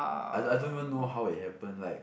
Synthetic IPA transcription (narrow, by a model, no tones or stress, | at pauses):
a̰aɪaɪdõnivə̃nːoʊɦaʊɪthɛpə̃nlaɪk̚